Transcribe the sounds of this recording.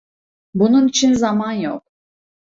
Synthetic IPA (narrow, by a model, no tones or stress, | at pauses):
bununit͡ʃʰinzamanjo̰k̚